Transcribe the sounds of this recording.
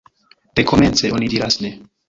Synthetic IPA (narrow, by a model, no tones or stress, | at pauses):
d̥ekʰoment͡seʔonid̪iɾasne